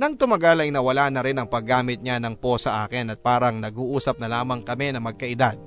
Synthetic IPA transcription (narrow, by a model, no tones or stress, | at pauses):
nɐŋt̪ʊmɐɡalɐjnɐwɐlanɐɾɪnɐŋpɐɡːaːmɪt̪̚ɲanɐŋpo̞sɐʔa̰ːkɪnɐt̪̚paːɾɐŋnɐɡuːʔuːsɐp̚nɐlaːmɐŋkɐmɛnɐmɐɡ̚kɐʔɪd̪ad̪̚